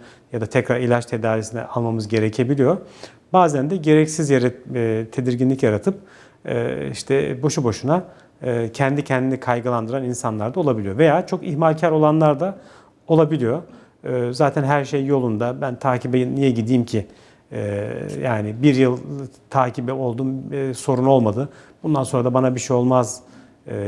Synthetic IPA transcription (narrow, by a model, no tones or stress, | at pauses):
jad̪at̪ʰɛcɾaɾilʲat͡ʃt̪ʰe̞d̪aːɾisinɛ̰ʔalˠmamɯzɟe̞ɾecʰe̞bilʲijo̞ | baːzænd̪ɛɟe̞ɾɛcsizjaɾɛt̪ʰe̞d̪iɾɟinlʲicjaɾat̪ʰɯp̚ː | ḭʃt̪ʰɛbo̞ʃubo̞ʃunaː | cʰɛnd̪icʰɛnd̪inɛkʰajɡɯlˠand̪ɯɾaninsanlˠaɾd̪ao̞lˠabilʲijo̞ve̞jaːt͡ʃʰo̞kiçmalʲcʰæɾo̞lˠanlˠaɾd̪a | o̞lˠabilʲijo̞ | zaːt̪ʰænɦæɾʃejjo̞lˠund̪abænt̪ʰaːcʰibɛjnijɛɟid̪iːmcʰi | ɛja̰ːnɪbiɾjɯlˠt̪ʰaːcʰibɛo̞lˠd̪uːmso̞ɾuno̞lˠmad̪ɯbund̪anso̞nɾad̪abanabiʃejo̞lˠmaz